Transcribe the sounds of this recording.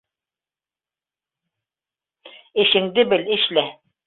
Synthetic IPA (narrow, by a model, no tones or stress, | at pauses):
ɘ̆ʃɘ̆ŋd̪ɘbɘlɘ̆ʃlæ